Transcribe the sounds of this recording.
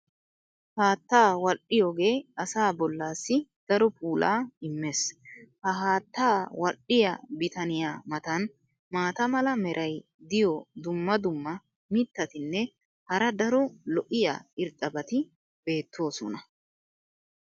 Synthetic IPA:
haːt̪ːaːwɐʔɪjoːɡe̞ːɐsaːbɔlːaːsːɪd̪̥ɐɾɔpʰuːlʔa̰ːɪmːeːshɐɦaːt̪ːaːwɐ̰ʔːɪjɐ̰bɪt̪ɐnɪjaːmɐt̪ɐn | maːt̪ɐmɐlɐmɛɾʔɐj | d̪ɪjɔd̪ʊmːɐd̪ʊmːɐ | mɪt̪ːɐt̪ɪnːɛ | hɐɾɐd̪ɐɾɔlɔʔɪja̰ɪɾt̪ʼːɐbɐt̪ɪ | b̥e̞ːt̪ʰːo̞ːsɔ̰nɐ

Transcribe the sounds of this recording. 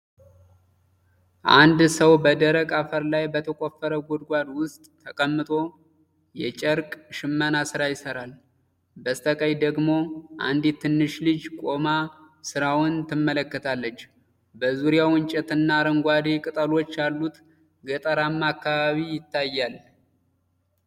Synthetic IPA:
ʔand̪səwbəd̪əɾəkʼafəɾlajbət̪ʰəkʼofːəɾəɡʷod̪ɡʷad̪wʊst̪ʼʰːəkʼəmːɨt̪ʼo̞ | jɛt͡ʃʼəɾkʼʃɪmːənasɨɾajɪsəɾal | bəst̪ʰəkʼəjd̪əɡmo̞ʔa̰nd̪it̪ʰːɨnːɨʃlɨd͡ʒkʷʼo̞ma | sɨɾawʊnt̪ʰɨmːələkːət̪ʰalːət͡ʃː | bəzuɾijawɨnt͡ʃʼɛt̪ɨnːaɾəŋɡʷad̪ekʼɨt̪ʼəlo̞t͡ʃːjalːut̪ | ɡət̪ʼəɾamːakːaβaβijɪt̪ʰːajːal

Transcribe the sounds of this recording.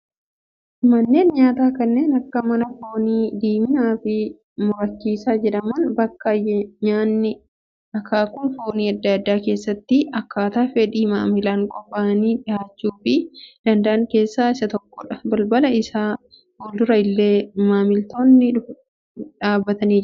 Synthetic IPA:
mɐnːe̞ːnɲaːt̪aːkɐnːeːnɐkːɐmɐnɐfo̞ːniːd̪iːmɪnaːfɪ | mʊɾɐt͡ʃːiːsaːd͡ʒɛᶑɐmɐnbɐkːɐjɐɲaːnːɪ | ɐkːaːkʊnfo̞ːniːɐd̪ːɐɐd̪ːaːke̞ːsːɐt̪ːɪɐkːaːt̪aːfɛᶑ̪iːmaːmɪlaːŋkʼɔpːaːɐniːᶑɪjaːt͡ʃːuːfɪd̪̥ɐnd̪ɐʔɐŋke̞ːsːaːɪsɐt̪ɔkːɔᶑɐbɐlbɐlɐɪsaː | wɔld̪ʊɾɐɪlːeːmaːmɪlt̪o̞ːnːɪᶑʊ | ᶑaːbːɐt̪ɐniːd͡ʒ

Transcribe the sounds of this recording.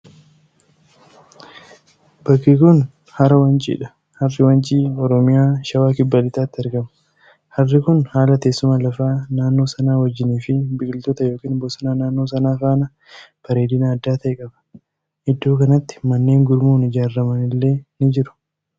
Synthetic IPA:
bɐkːikʊn | hɐɾɐwɐnt͡ʃʼḭːᶑɐ̥ | hɐrːɪwɐnt͡ʃʼiːɔɾɔmɪjaːʃɐwaːkɪbːɐlɪt̪aːt̪ːɪɐɾɡɐmɐ̥ | hɐrːɪkʊnhaːlɐt̪e̞ːsːʊmaːlɐfaːnaːnːo̞ːsɐnaːwɐd͡ʒːɪniːfɪbɪkʼɪlt̪ɔt̪ɐjo̞ːkiːnbɔsɐnaːnaːnːo̞ːsɐnaːfaːnɐ | b̥ɐɾeːd̪ɪnɐːd̪ːaːt̪ɐʔɛkʼɐbɐ̥ | ʔɪd̪ːoːkɐnɐt̪ːɪ̥mɐnːe̞ːŋɡʊɾmuːnɪd͡ʒaːrːɐmɐnɪlːe̞ːnɪd͡ʒɪɾʊ̥

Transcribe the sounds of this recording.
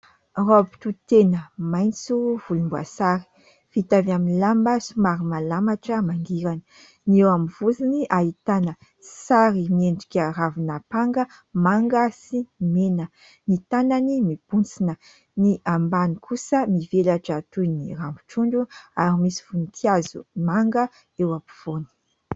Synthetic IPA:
ropi̥t̪ut̪enəmajnt͡suvulumbua̰saɾi̥ | fit̪avaminlambəsumaɾimalamaʈ͡ʂəmaŋɡiɾanə | niewamivuziniʔait̪anə | saɾimienɳɖ͡ʐu̥kʲaravunapaŋɡə | maŋɡəsimenə | nit̪ananimib̥unt͡sinə | niʔambanikʰusəmivelaʈ͡ʂat̪unirampu̥ʈ͡ʂuɳɖ͡ʐuaɾimisi̥funit̪ʰiazṵmaŋɡə | ewapi̥v̥oni̥

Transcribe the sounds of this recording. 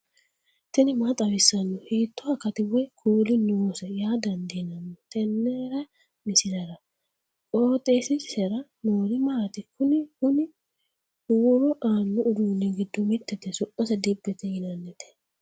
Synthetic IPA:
t̪ɛnɪmat̪ʼɐwɪsːɐnːɔhiːt̪ːɔhɐkɐt̪ɪwɔjkʰuːlɪnoːsɐjaːd̪ɐnd̪inɐnːɔt̪ɛnːɛːɾɐ | mɪsɪlɐɾɐ | kʼoːt̪ʼesɪsɛɾɐnoːɾɪmaːt̪ɪkʊnɪhʊnɪ | wɔɾɔʔaːnːɔʔʊd̪uːnːɛɡɪd̪ːɔmɪt̪ːɛt̪ːɛsɔʔɔsɐd̪ɛbːɛt̪ɛjɪnɐnːɛt̪ɛ̥

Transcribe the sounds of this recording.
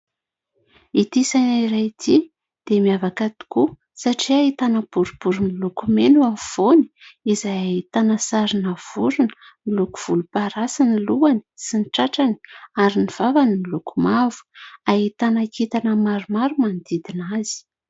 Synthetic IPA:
it̪isanaiɾajt̪ʰi | d̪̥emiavakat̪i̥ku | saʈ͡ʂiait̪anəb̥uɾub̥uɾunilukumenuamiv̥oniizajaɦit̪anəsaɾinav̥uɾunə̥ | niluku̥v̥ulupaɾasaniluani̥siniʈ͡ʂaʈ͡ʂani̥aɾiniv̥avaninilukumavu̥ait̪anakit̪anəmaɾumaɾumand̪id̪inaz̥i̥

